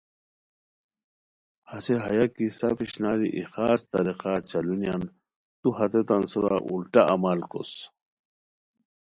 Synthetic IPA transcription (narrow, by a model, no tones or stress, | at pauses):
haseɦɐjakisapiɕnaːɾiʔixaːst̪ɐɾiqat͡ɕɐlunijan | t̪uɦɐt̪et̪ɐnsuɾa̰ʔulʈaʔamalko̰s